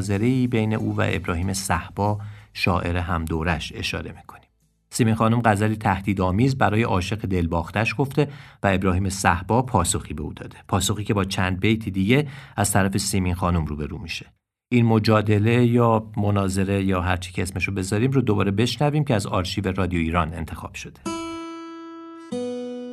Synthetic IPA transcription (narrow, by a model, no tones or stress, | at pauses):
ze̞ɾe̞iːbe̞jne̞̰ʔuːvæ̰ʔe̞̰bɾɒːhiːmesæhb̥ɒːʃɒːʔe̞ɾe̞ɦæmd̪oːɾæʃe̞̰ʃɒ̰ːɾe̞mi̥ːkʰo̞̥ni̥m | simiːnxɒːnumɢæzælit̪ʰæhd̪̥iːd̪ɒːmiːzbæɾɒːjeʔɒːʃe̞ɣed̪e̞lbɒːxt̪æʃɡ̥o̞ft̪e̞væe̞bɾɒːɦiːme̞sæhb̥ɒːpʰɒːso̞xiːbe̞uːd̪ɒ̰ːd̪̥e̞pʰɒːso̞xiːcʰe̞bɒːt͡ʃʰænd̪̚bejt̪ʰid̪iɟe̞æz̥t̪ʰæɾæfe̞siminxɒːnumruːbe̞ɾuːmiʃe̞̥ | ʔiːnmo̞d͡ʒɒːd̪e̞le̞jɒːmo̞nɒːze̞ɾe̞jɒːɦæɾt͡ʃʰi̥cʰeesmeʃobe̞zɒːɾiːmɾoːd̪o̞bɒːɾe̞be̞ʃnæviːmcʲʰeæzɒːɾʃiːve̞rɒːd̪ijoiːɾɒːne̞̰nt̪ʰe̞xɒ̰ːb̥ʃo̞d̪̥e